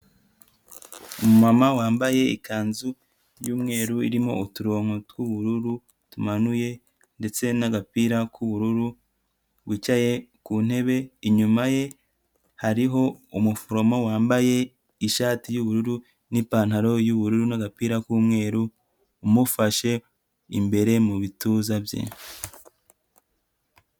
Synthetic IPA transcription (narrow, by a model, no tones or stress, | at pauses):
umumamawaːmbaje̞ikʰaːnzu | juːmŋe̞ːɾuḭɾimo̞̰utuɾoːŋ̥o̞twuβuɾuɾu | tumanuje̞ | nde̞t͡se̞naɡapiːɾakʰuβuɾuɾu | bɡwicaje̞kuːn̥he̞βe̞iɲumaje̞ | haɾiɦo̞umufoɾo̞mo̞waːmbaje̞ | iʃaːtijuβuɾuɾu | nipaːnhaɾo̞juβuɾuɾunaɡapiːɾakuːmŋe̞ːɾuː | mufaʃe̞ | ḭmbe̞ɾe̞muβituːzabjḛ